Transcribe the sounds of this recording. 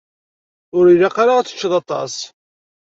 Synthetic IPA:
ʊɾilaqaɾat͡sːə̥t͡ʃːəðˤɑt̪ˤɑ̰s

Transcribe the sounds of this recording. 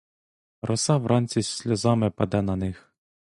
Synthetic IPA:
rʔɔsɑʋɾʔɑnʲt͡sʲisʲlʲɔzɑmɪpɐd̪ɛnɐnɪx

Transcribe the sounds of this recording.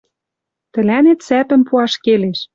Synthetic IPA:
t̪ə̆lænet̪sæpɘ̆mpuɑʃkeleʃ

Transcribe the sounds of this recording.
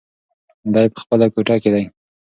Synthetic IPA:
d̪ɑjepə̥xpəlakoʈɑked̪aj

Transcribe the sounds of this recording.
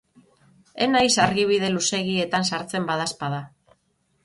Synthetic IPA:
e̞najsaɾɣiβ̞iðe̞luse̞ɣie̞t̪ansaɾt͡se̞mbað̞aspaða

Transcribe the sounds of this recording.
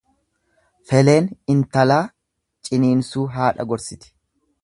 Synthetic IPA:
fɛle̞ːnɪnt̪ɐlaː | t͡ʃʼɪniːnsuːɦaːᶑɐ̰ɡɔɾsɪt̪ɪ̥

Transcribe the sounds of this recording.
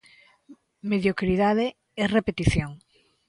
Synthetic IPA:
meðjokɾiðaðe | ɛrepet̪iθjoŋ

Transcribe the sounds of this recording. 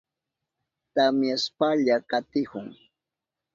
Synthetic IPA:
t̪amjaspaʎakat̪ɪhʊŋ

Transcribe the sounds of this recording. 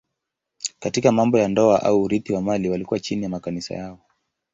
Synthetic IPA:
katikamambɔjandɔaʔauːɾiθiwamaliwalikuwat͡ʃinijamakanisa̰jaɔ

